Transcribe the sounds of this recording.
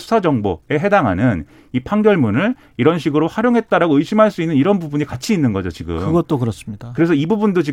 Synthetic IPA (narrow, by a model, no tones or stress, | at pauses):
sʰu̥sʰad͡ʑʌŋbo̰e̞ɦe̞daŋɦa̰nɯn | ipʰaŋdjʌɭmunɯɭ | iɾʌnɕ̬ʰiɡɯɾoɸaɾjoŋɦe̞t̚t͈aɾaɡoɯɕʰimɦaɭs͈uinːɯniɾʌnbubuɲikat͡ɕʰiːnːɯnɡʌd͡ʑot͡ɕiɡɯ̰mɯɡʌtt͈okɯɾʌs͈ɯmɲid̥akɯɾe̞sʰʌibubundot͡ɕi